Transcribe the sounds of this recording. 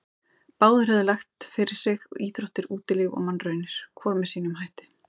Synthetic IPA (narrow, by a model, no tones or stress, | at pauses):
paːwðʏɾ̥hɛvðɪlaxt̪fɪɾɪɾ̥sɪɣɔiːt̪ɾowht̪ɪɾuːt̪ɪlɪɣɔ̰ɣmanːrœɥnɪɾ̥kʰvɔːɾmɛsiːnʏmɦajht̪ɪ̥